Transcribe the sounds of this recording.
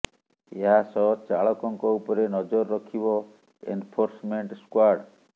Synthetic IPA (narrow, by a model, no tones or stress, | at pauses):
eɦasɔt͡ʃaɭɔkɔŋkɔupɔɾenɔd͡ʒɔɾɔːɔkʰibɔ | ḛnpʰoɾsmeɳʈskwaɾɖ